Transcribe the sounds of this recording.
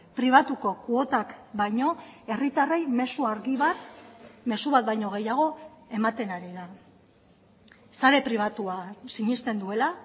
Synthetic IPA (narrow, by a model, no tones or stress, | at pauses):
pɾiβ̞at̪uko̞kuo̞t̪akbajɲo̞e̞rit̪are̞jme̞suaɾɣiβat̪me̞suβat̪̚bajɲo̞ɣ̞e̞jaɣ̞o̞e̞mat̪e̞naɾila | saɾe̞pɾiβ̞at̪uasiɲist̪e̞nd̪ue̞la